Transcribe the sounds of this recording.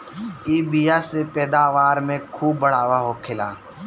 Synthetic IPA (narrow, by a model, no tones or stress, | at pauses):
iːbiːjasepɛːd̪aːʋaːɾmẽkʰuːbːəɽaːʋaɦokʰɪla̰ː